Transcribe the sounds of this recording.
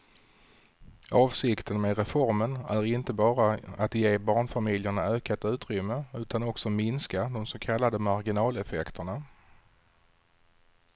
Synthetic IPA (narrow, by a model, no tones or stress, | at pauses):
ɑːvsɪkt̪ʰənmeɾɛfɔɾmənæɾɪnt̪əbɑːɾaat̪jeːbɑːɳfamɪljəɳaøːkat̪ʉ̟ːt̪ɾʏmːəʉ̟ːt̪anɔksɔmɪnskad̪ɔmsokʰalːad̪əmaɾɡɪnɑːlɛfɛkt̪ʰəɳa